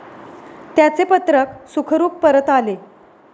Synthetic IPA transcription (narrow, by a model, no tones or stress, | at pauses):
t̪jat͡sepət̪ɾəksukʰəɾuːppəɾət̪ale